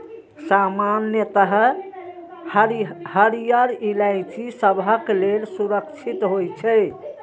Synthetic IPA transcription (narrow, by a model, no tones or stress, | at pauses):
samanjət̪əɦ | həɾijəɾilajt͡ʃisəbʱəklelsuɾəkt͡ʃʰit̪ɦojt͡ʃʰɛ